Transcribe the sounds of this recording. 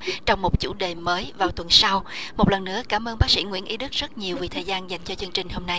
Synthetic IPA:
t͡ɕɔ˧wŋ͡mmo˨˩t̚t͡ɕṵ˧˩ɗe˨˩məː˨˦jvaː˨˩wt̪wə˨˩nsa˧wmo˨˩t̚lə˨˩nːɨ̰˧˥əkaː˨˦mʔəː˧nɓaː˦˥k̚sḭ˧˥ŋwḭ˧˥ənʔi˨˦ɗɨ˦˥k̚zə˦˥t̚ɲi˨˩əwvi˨˩t̪ʰəː˨˩jzaː˧nza˨˩jŋ̟t͡ɕɨ˧t͡ɕɨ˧əŋt͡ɕï˨˩ŋ̟ɦo˧mna˧j

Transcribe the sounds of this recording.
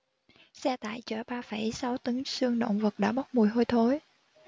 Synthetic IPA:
sɛ˧t̪a̰ː˧˨jt͡ɕəː˧˩ɓaː˧fə˧˩jsa˨˦wt̪ɨ˨˦ŋsɨ˧əŋɗo̰˧˨ŋ͡mvə˨˩t̚ɗa̰ː˧˥ɓa˦˥wk͡p̚mu˨˩əjɦo˧jt̪ʰo˨˧˦j

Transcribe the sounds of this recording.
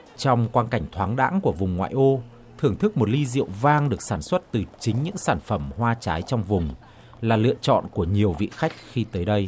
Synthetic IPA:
t͡ɕɔ˧wŋ͡mkwaː˧nka˧˩jŋ̟t̪ʰwaː˨˦ŋɗa̰ː˧˥ŋku˧˩əvʊ˨˩ŋ͡mŋwa̰ː˧˨jʔo˧ | t̪ʰɨ˧˩əŋt̪ʰɨ˦˥k̚mo˨˩t̚li˧zḭ˧˨əwvaː˧ŋɗɨ˨˩ək̚saː˧˩nswə˦˥t̚t̪ɨ˨˩t͡ɕï˨˦ŋ̟ɲɨ̰˧˥ŋsaː˧˩nfə˧˩mhwaː˧t͡ɕaː˨˦jt͡ɕɔ˧wŋ͡mvʊ˨˩ŋ͡m | laː˨˩lɨ̰˧˨ət͡ɕɔ̰˧˨nku˧˩əɲi˨˩əwvḭ˧˨xa˦˥jk̟̚xi˧t̪əː˨˦jɗə˧j

